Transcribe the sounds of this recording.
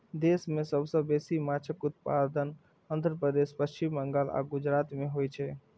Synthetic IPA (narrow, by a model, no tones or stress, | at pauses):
d̪esmesəbʱsə̃besimat͡ʃʰəkut̪̚pa̰d̪ən | ənd̪ɾəpɾəd̪espəst͡ʃimːəŋɡala̰ɡud͡ʒɾat̪meɦojt͡ʃʰɛ